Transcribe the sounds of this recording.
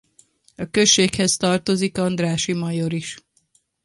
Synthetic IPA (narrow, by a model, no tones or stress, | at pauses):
ɒkø̞ʃːeːkhɛzt̪ɒrt̪o̞zikɒnd̪raːʃimɒjoɾiʃ